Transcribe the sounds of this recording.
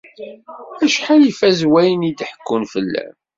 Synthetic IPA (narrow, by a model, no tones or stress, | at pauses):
æʃħanifæzwæjənid̪ħə̥kːʊnfəlːæ̰m